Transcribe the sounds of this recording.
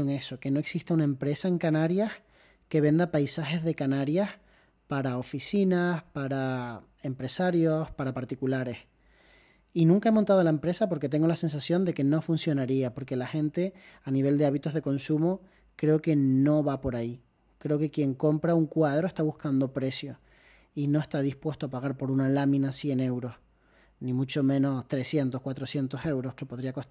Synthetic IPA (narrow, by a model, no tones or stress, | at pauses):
oŋe̞so̞ke̞no̞eksiht̪aunaẽ̞mpɾe̞sae̞ŋkanaɾjah | ke̞βe̞nd̪apajsaxe̞zðe̞kanaɾjah | paɾao̞fisinahpaɾa | e̞mpɾe̞saɾjohpaɾapaɾt̪ikulaɾe̞s | inũŋkae̞mõnt̪að̞olae̞mpɾe̞sapo̞ɾke̞t̪̬e̞ŋɡo̞lasẽ̞ns̬asjo̞nd̪e̞ke̞no̞funsjo̞naɾiapo̞ɾke̞laxẽ̞nt̪e̞aniβ̞e̞ld̪e̞aβit̪o̞ɦðe̞ko̞nsumo | kɾe̞oke̞no̞βapo̞ɾai | kɾe̞oke̞kje̞ŋko̞mpɾauŋkwað̞ɾo̞e̞ht̪aβuhkand̪o̞pɾe̞sjo̞ | ino̞e̞st̪aðihpwe̞st̪oapaɣ̞aɾpo̞ɾunalamĩnasje̞ne̞wɾo̞h | nĩmut͡ʃo̞mẽ̞no̞st̪ɾe̞sje̞nt̪o̞hkwat̪ɾosje̞nt̪o̞se̞wɾo̞hke̞po̞ð̞ɾiako̞t̪